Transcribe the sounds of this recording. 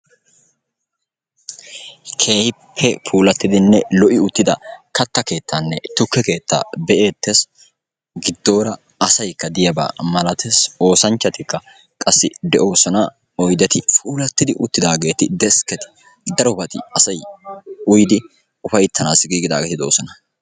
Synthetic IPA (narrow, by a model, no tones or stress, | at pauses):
kʰe̞ːhɪpʰːɛfuːlɐt̪ːɪd̪ɪnːɛlɔʔɪʊt̪ːɪd̪ɐkɐt̪ːɐke̞ːt̪ːanːɛt̪ʊkːɛke̞ːt̪ːa̰ːbɛʔe̞ːt̪ːes | ɡɪd̪ːo̞ːɾɐ | ɐsɐjkːɐd̪ɪjɐba̰ːmɐlɐt̪ʰeso̞ːsɐnt͡ʃːɐt̪ɪkːɐ | kʼɐsːɪ̰d̪ɛʔo̞ːsɔnɐ | ɔjd̪ɛt̪ɪfuːlɐt̪ːɪd̪ɪʔʊt̪ːɪd̪aːɡe̞ːt̪ɪd̪ɛskɛt̪ɪ̥ | d̪ɐɾɔbɐt̪ɪ̰ɐsɐjʊjd̪ɪ | ʊfɐjt̪ʰːɐnaːsɪɡiːɡɪd̪a̰ːɡeːt̪ɪd̪oːsɔnɐ